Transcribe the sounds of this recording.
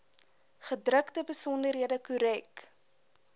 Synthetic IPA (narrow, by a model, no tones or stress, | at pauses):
χədrəktəbəsɔndərɦiədəkuɾɛk